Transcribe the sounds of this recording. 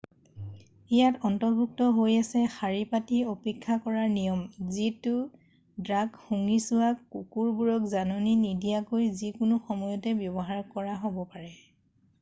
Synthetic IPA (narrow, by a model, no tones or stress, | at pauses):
ijatɔntɔɹbʱuk̚tɔɦojasɛxaɹipatiopekʰːakɔɹaɹnijɔmzitʊ | dɹaɡhuŋisʊakːukuɹbuɹɔkzanoninidijakojzikʊnʊxɔmɔjɔtɛbjɔbɔɦaɹkɔɹaɦobɔpaɹɛ